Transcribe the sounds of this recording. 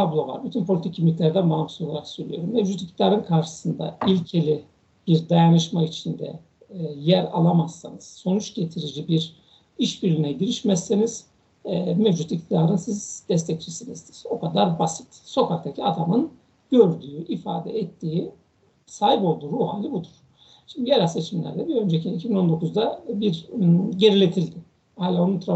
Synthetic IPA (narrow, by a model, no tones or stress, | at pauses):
t̪ʰablˠo̞vˠa̰ɾbit̪ʰynpʰolʲit̪icʰːimːʲit̪ʲlʲæɾd̪ænbaɦamso̞lˠaɾaksøɾlʲy̰jo̞ɾumːɛvd͡ʒut̪i̥k̚t̪ʰid̪aːɾɯnkʰaɾʃɯ̥sɯnd̪a̰ilʲcʰe̞lʲi | b̥iɾd̪ajanɯʃmait͡ʃʰind̪ɛ̰ | jæɾa̰lˠamazːanɯz̥so̞nut͡ʃɟ̥et̪ʰiɾid͡ʒibiɾ | iʃbiɾlʲinɛɟiɾiʃmɛsːeniz̥ | ɛmɛvd͡ʒut̪ic̚t̪ʰid̪aɾɯnsizd̪ɛst̪ʰɛct͡ʃʰisinizd̪iz̥o̞kad̪aɾbasi̥t̪so̞kʰakt̪ʰacʰiad̪amɯn | ɟ̥ø̞ɾd̪yːʔifa̰ːd̪ɛ̰ɛt̪ʰːiːi | saːhipo̞lˠd̪uːɾuːɦa̰ːlʲibud̪uɾ̥ | ʃind̪iɟeɾalʲse̞t͡ʃʰimlʲæ̰ɾd̪ʲɛbiø̞nd͡ʒecʰinicʰibino̞nd̪o̞kuzd̪abiɾɟe̞ɾilʲet̪ʰilʲd̪ɪ | haːlʲaonunt̪ʰɾa